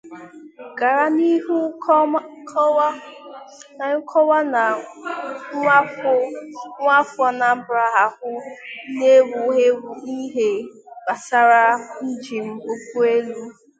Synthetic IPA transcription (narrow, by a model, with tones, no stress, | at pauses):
ɡa˨ɾa˨ni˦ɦu˦ | a˨ʊ˦kʰɔ˦wa˦n˨˦ | a˦fʊ˦ŋʷ˦a˦fʊ˦ɔ˦na˨m̩˦bɾa˦ɦa˨hʊ˦ne˦wu˨e˦i˦ɦe˨ba˨sa˦ɾa˦n̩˦d͡ʒi˨m̩˦o˦kʷu˦e˦lu˦